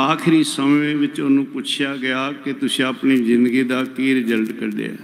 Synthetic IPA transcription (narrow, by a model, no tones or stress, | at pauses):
aːkʰɪɾiːsəmẽʋɪt͡ʃʊnũːpʊt͡ʃʰjaːɡɪjaːkɪt̪ʊsẽəpniːzɪnd̪ɡiːd̪aːkiːɾɪd͡ʒəlʈkəɾɖ̪ḛa̰ː